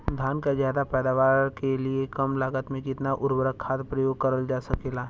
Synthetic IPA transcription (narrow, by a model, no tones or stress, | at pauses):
d̪ʱaːnkazjaːd̪apɛːd̪aːʋaːɾɾkeliekɐmlaːɡət̪mẽkɪt̪naʔʊɾbəɾəkʰːaːd̪pɾɐjoːɡ̚kɐɾəld͡ʒaːsɐkelaː